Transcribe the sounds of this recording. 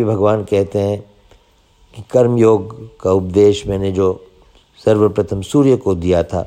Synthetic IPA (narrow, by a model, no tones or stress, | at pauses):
ibʱɐɡʋaːnkɛɦt̪eɦɛ̃ | kikɐɾmjoːɡkaʊp̚d̪eːʃmɛ̃ːned͡ʒoː | sɐɾʋəpɾɐt̪ʰəmsuːɾjəkod̪ijat̪ʰa̰ː